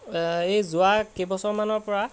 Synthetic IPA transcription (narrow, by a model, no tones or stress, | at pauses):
ejzʊakebɔsɔɹmanɔɹpɔɹa